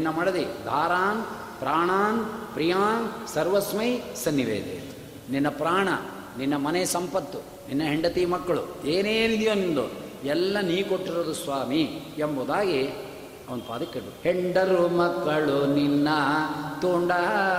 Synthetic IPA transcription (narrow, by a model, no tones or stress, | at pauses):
nninːɐmɐɽɐd̪id̪ʱaːɾaːn | pɾaːɳaːnpɾijaːnsɐɾʋɐsmɐjsɐnːiʋḛːd̪ḛː | ninːɐpɾaːɳɐ̰ | ninːɐmɐneːsɐmpɐt̪ːu | ninːɐɦeɳɖɐt̪iːmɐkːɐɭṵeːneːnid̪joːnind̪o̰ɛlːɐniːkoʈːiɾod̪usʋaːmi | ɛmboːd̪aːɡe | ɐʋɐnd̪upa̰ːd̪ɐkːeʈːuheɳɖɐɾumɐkːɐɭuninːɐt̪oːɳɖɐ